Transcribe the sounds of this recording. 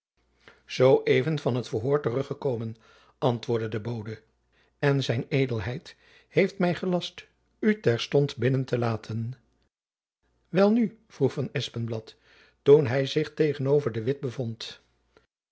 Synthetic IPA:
z̥owʔejvənvɑnɦətfəɹɦʊːɹtərɵχəkowmən | ʔɑntʋʊːɹdədəbowdə | ɛnzɛjnejdəlˠɦɛjt | hejftmɛjχəlɑst | ytɛɹstɔntbɪnəntəlaːtʰən | ʋɛlˠnyv̥ruχfɑnɛspənblɑtː | unɦɛjzɪχtejχənowvəɹdəʋɪt̚bəvɔnt

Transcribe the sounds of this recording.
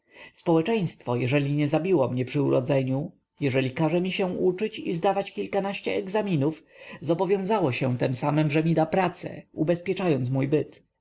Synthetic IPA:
spɔwɛt͡ʂɛj̃st̪fɔjɛʐɛlʲiɲɛzabʲiwɔmɲɛpʂɘuɾɔ̰d̪zɛɲu | jɛʐɛlʲikaʐɛmʲiɕɛ̃ut͡ʂɘt͡ɕizd̪avat͡ɕkʲilkanaɕt͡ɕɛɛɡzamʲinufzɔbɔvʲjɔ̃zawɔɕɛ̃t̪ɛmsamɛmʐɛmʲid̪apɾat̪sɛ̰ubɛspʲjɛt͡ʂajɔnt̪s̬mujbɘt̪

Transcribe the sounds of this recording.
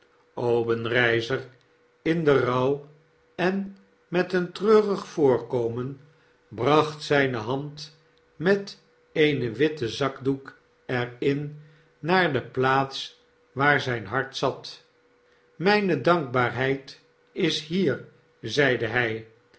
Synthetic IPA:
owbənrɛjzər | ɪndərɑw | ɛn | mɛtəntrøːʁəχfʊːɹkowmən | brɑχtsɛjnəɦɑnt | mɛt | ejnəʋɪtəzɑɡduk | ɛɹɪnː | aːɹdəplaːts | ʋaːɹzɛjnɦɑɹtsɑt | mɛjnədɑŋɡ̚baːɹɦɛjt | ɪsɦiːr | zɛjdəɦɛj

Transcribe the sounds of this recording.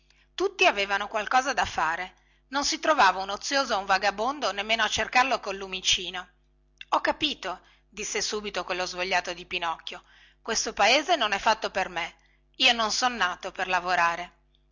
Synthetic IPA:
t̪ut̪ːiaveːvanokwalkɔːzad̪afaːɾe | nonsit̪ɾovaːvaunot̪sːjoːzouɱvaɡabond̪onemːeːnoat͡ʃːerkarlokolːumit͡ʃiːno | ɔkːapiːt̪o | d̪isːesuːbit̪okwelːozvoʎːaːt̪od̪ipinɔkːjo | kwest̪opaeːzenonɛfːat̪ːoperme | iːononsonːaːt̪operlavoɾaːɾe

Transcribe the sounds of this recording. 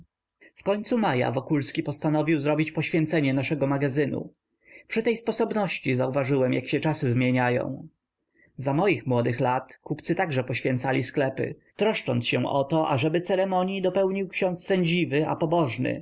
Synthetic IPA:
fkɔɲt̪sumaja̰vɔkulskʲipɔst̪anɔvʲiwzɾɔbʲit͡ɕpɔɕfʲjɛnt̪sɛɲɛnaʂɛɡɔmaɡazɘnṵ | pʂɘt̪ɛjspɔsɔbnɔɕt͡ɕizauvaʐɘwɛmjakɕɛt͡ʂasɘzmʲjeɲajɔ̰̃w̃ | zamɔjixmwɔd̪ɘxlat̪kupt̪sɘt̪aɡʐɛpɔɕfʲɛ̃nt̪salʲisklɛpɘ̰t̪ɾɔʂt͡ʂɔnt̪sɕɛ̃ʔɔt̪ɔʔa̰ʐɛbɘt̪sɛɾɛmɔɲjid̪ɔpɛwɲiwkɕɔ̃nt̪sːɛɲd͡ʑivɘa̰pɔbɔʐnɘ̰

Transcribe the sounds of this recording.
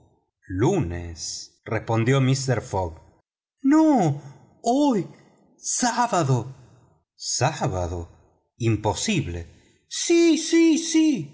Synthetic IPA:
lunḛs | respo̞nd̪jomist̪eɾfoɡ | no | oj | saβaðo | saβaðo | imposiβle | sisisi

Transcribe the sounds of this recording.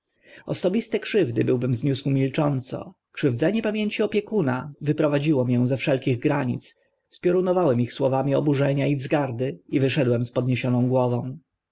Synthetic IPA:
ɔsɔbʲist̪ɛkʂɘvd̪ɘbɘwbɘmzɲuswumʲilt͡ʂɔnt̪sɔ̰ | kʂɘvd̪zɛɲɛpamʲjeɲt͡ɕiɔpʲjɛkuna̰vɘpɾɔvad͡ʑiwɔmjɛw̃zɛfʂɛlkʲiɣɡɾaɲḭt̪s | spʲjɔɾunɔvawɛmixswɔvamʲiɔbuʐɛɲaivzɡaɾd̪ɘivɘʂɛd̪wɛmspɔd̪ɲeɕɔnɔ̃w̃ɡwɔvɔ̃w̃

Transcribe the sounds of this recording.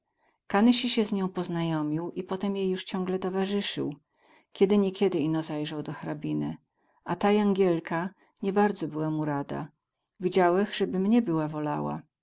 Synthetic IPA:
kanɘɕiɕɛzɲɔ̃w̃pɔznajɔmʲiwʔipɔt̪ɛmjejːuʂt͡ɕɔ̃ŋɡlɛt̪ɔvaʐɘʂɘ̰w | kʲɛd̪ɘɲɛkʲjɛd̪ɘinɔzajʐawd̪ɔxaɾabʲinɘ̰ | ʔat̪ajaŋɡʲjɛlkʰa | ɲɛbaɾd̪zɔbɘwamuɾad̪a̰ | vʲid͡ʑawɛxʐ̥ɛbɘmɲɛbɘwavɔla̰wa̰

